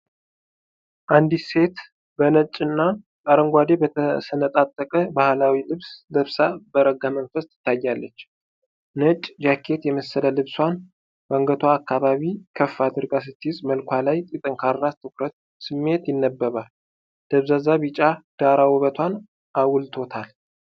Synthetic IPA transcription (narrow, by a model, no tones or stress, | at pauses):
ʔand̪ise̞t̪ | bənət͡ʃʼɨnːa | kʼaɾəŋɡʷad̪e̞bət̪ʰəsənət̪ʼat̪ʼːəkʼəbahlawilɨβsləβsabəɾəɡamənfəst̪ɨ̥t̪ʰːajːalːət͡ʃː | nət͡ʃʼd͡ʒakʰːe̞t̪jɛməsːələlɨβswan | bəŋɡət̪ʰoakːaβaβikʰəfːad̪ɨɾɡas̬ɨt̪ʰːiɪzməlkʷalajt̪ʼit̪ʼɨŋkʰaɾːast̪ʰɨkɾət̪̚ | sɨmːe̞t̪jɪnːəbːəβal | d̪̥əβzazaβit͡ʃʼad̪̥aɾawɔβət̪ʰwan | ʔawlt̪ʰo̞t̪ʰal